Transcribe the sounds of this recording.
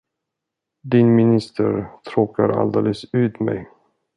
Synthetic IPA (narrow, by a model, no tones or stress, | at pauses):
d̪ɪnmɪnɪst̪ʰəɾt̪ʰɾoːkʰaɾa̰ld̪eːləsʉ̟ːt̪mɛ̰j